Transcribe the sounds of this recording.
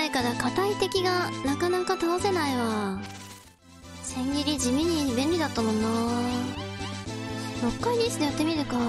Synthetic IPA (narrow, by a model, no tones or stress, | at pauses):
ekad̪akat̪ait̪e̞kʲiɡanakanakat̪anose̞naiβa | sẽ̞ŋɡʲiɾʲid͡ʑimʲiɲ̟ibẽ̞nʲɾʲid̪at̪ːamõ̞nːaː | jokːaid̪isɨ̥nejat̪ːe̞mʲiɾɯ̟ka